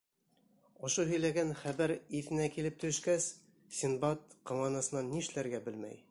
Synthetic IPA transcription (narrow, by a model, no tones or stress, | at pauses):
ŏʃoɦɵ̆jlæɡænχæβæɾiθɘ̆nækilɘp̚t̪ɵ̆ʃkæs | sʲinbɑt̪qɑ̆mɑnɑsɤ̆nɑnːiɘʃlæɾɡæbɘlmæ̰j